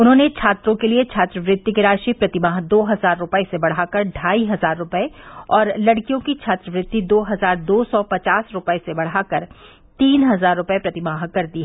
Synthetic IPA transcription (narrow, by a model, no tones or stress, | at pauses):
ʊnɦõːnet͡ʃʰaːt̪ɾõkeliet͡ʃʰaːt̪ɾəʋɾɪt̪ːikeɾaːʃipɾɐt̪ɪmaːɦd̪oːɦɐzaːɾːʊpəesebɐɽ̤akɐɾɖʱaːiɦɐzaːɾːʊpəeɔːɾlɐɽkijõkit͡ʃʰaːt̪ɾəʋɾɪt̪ːid̪oːɦɐzaːɾd̪oːsɔpɐt͡ʃaːsɾʊpəesebɐɽ̤akɐɾ | t̪iːnɦɐzaːɾːʊpɛepɾɐt̪ɪmaːɦkɐɾd̪iːɦɛ